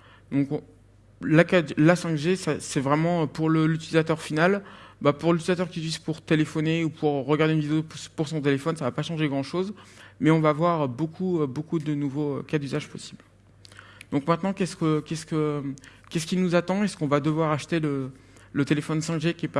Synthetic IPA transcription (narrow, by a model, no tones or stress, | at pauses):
d̪ɔ̃k | lakad̪lasɛ̃kʒesɛsɛvʁɛmɑ̃øpuʁləlyt̪ilizat̪œʁfinalbapuʁlyt̪ilizat̪œʁkʲiɥizpuʁt̪elefɔneupʰuʁʁəɡaʁd̪eynvid̪eopuʁsɔ̃t̪elefɔnsavapaʃɑ̃ʒeɡʁɑ̃ʃozmɛɔ̃vaːvwaʁbokʰuøbokud̪ənuvoøkad̪yzaʒpɔsi̥bl | d̪̥ɔ̃kmɛ̃t̪nɑ̃kʲɛskəkʲɛskəkʲɛskʲilnuzat̪ɑ̃ɛskɔ̃vad̪əvwaʁaʃt̪elə | lət̪elefɔnsɛ̃kʒekʲɛpa